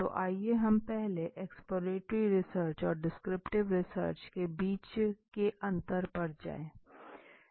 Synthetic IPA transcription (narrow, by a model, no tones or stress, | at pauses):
t̪o̰ʔaːieɦɐmpɛɦleʔeːkspoːɾeːʈɾiɾɪsəɾt͡ʃɔːɾɖɪskɾɪpʈɪʋɾɪsə̰ɾt͡ʃkebiːt͡ʃkeʔɐ̃nt̪əɾpɐɾd͡ʒa̰ːẽː